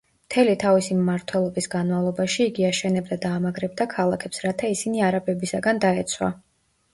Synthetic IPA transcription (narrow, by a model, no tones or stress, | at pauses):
mt̪ʰɛlit̪ʰavisimmaɾt̪ʰwɛlˠɔbisɡanmavlˠɔbaʃiːɡiaʃɛnɛbd̪ad̪aːmaɡɾɛb̚d̪akʰalˠakʰɛpsɾat̪ʰaisiniaɾabɛbisaɡand̪aɛt̪sʰwa̰